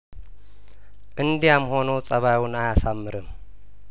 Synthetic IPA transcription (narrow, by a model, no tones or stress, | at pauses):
ʔɨnd̪ijamho̞nəwsʼəβawʊnajasamːɨɾɨm